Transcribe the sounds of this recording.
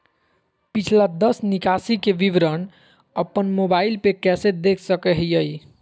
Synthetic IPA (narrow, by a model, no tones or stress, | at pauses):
pit͡ʃʰlad̪əsnikasikebiʋɾən | əpːənmobailpekɛsed̪ekʰsəkɛɦjəj